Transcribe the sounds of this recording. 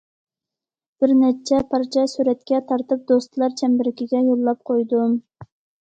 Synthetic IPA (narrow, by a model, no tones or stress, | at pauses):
b̥ɪɾnɛt͡ʃʰɛpʰɑɾt͡ʃʰɛsyɾɛt̪̚kʲɛt̪ʰɑɾt̪ɨp̚d̪ost̪ɨlˠɑɾt͡ʃʰɛmbɪɾɪkʲiɡʲɛjolˠːɑp̚qʰojd̪um